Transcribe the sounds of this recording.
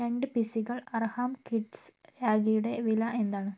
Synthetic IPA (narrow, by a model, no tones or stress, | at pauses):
ɾe̞ɳɖɨpisiɣɐɭɐrhaːmkiʈsɾaːɡijuɽe̞ʋilɐʔe̞nd̪aːɳɨ